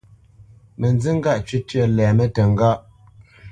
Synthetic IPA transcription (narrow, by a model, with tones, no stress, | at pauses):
mə˨nzi˦ŋ̩˦ɡa˦˨ʔt͡ʃɥi˦tɥə˦lɛː˨mə˦tə˨ŋ˦ɡa˦ʔ